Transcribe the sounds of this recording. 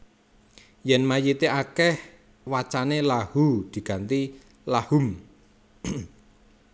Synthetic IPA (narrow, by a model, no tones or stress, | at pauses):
jɛnmajit̪eʔakɛh | wat͡ʃanelahud̪̥i̤ɡ̥a̤nt̪i | lahum